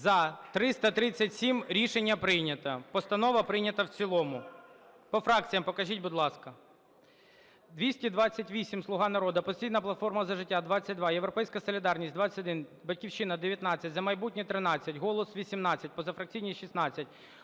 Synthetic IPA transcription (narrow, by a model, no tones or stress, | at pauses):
zɐt̪ɾɪst̪ɐt̪ɾɪt͡sʲːɐtʲsʲimɾʲiʃenʲːɐpɾɪjnʲɐt̪ɐpɔst̪ɐnɔʋɐpɾɪjnʲɐt̪ɐwt͡sʲilˠɔmʊ | pɔfɾɑk̚t͡sʲijɐmpɔkɐʒʲitʲbʊd̪lˠɑskɐ | d̪ʋʲisʲtʲid̪ʋɑt͡sʲːɐtʲʋʲisʲimslˠʊɦɑnɐɾɔd̪ɐpɔsʲtʲijnɐplˠɐt̪fɔrmɐzɐʒɪtʲːad̪ʋɑt͡sʲːɐt̚ʲd̪ʋɑjeʋɾɔpɛjsʲkɐsɔlʲid̪ɑrnʲisʲt̚ʲd̪ʋɑt͡sʲːɐ̥tʲɔd̪ɪnbɐtʲkʲiwʃɪnɐd̪eʋʲjɐt̪nɑt͡sʲːɐtʲzɐmɐjbut̚ʲnʲit̪ɾɪnɑt͡sʲːɐtʲɦɔlˠɔsʋʲisʲimnɑt͡sʲːɐt̚ʲpɔzɐfɾɐk̚t͡sʲijnʲiʃisnɑt͡sʲːɐtʲ